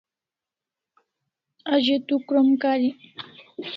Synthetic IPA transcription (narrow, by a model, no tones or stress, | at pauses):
ad͡ʑet̪ukɾəmkaɾi